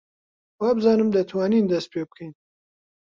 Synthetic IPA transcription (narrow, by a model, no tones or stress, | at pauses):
wɑːbɨzɑːnɨmd̪ɐt̪ʰwɑːniːnd̪ɐst̪̚pʰeːb̚kʰɐjn